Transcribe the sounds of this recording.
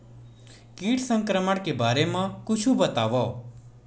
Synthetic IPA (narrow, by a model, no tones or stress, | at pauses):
kiːʈsə̃ŋkɾəməɽkebaːɾemãkʊt͡ʃʰũbət̪aːʋɔː